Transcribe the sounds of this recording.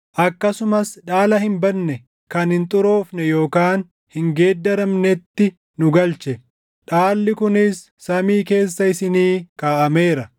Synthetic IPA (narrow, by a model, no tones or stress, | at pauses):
ʔɐkːɐsʊmɐsᶑaːlɐhɪmbɐnːɛ | kɐnhɪnt̪ʼʊɾo̞ːfnɛjo̞ːkaːn | hɪŋɡe̞ːd̪ːɐɾɐmnɛt̪ːɪ | nʊɡɐlt͡ʃɛ | ᶑaːlːɪkʊnɪsːɐmiːke̞ːsːɐɪsɪniːkaːʔɐme̞ːɾɐ